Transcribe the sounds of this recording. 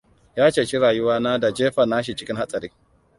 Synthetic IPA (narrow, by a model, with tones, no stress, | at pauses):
jaː˦t͡ʃeː˨t͡ʃi˦ɾaː˨ju˦waː˦na˦da˨d͡ʒeː˦ɸa˨na˦ʃ̬i˨t͡ʃɪ˦kʲɪ˦nha˦t͡sʼa˨ɾḭ˦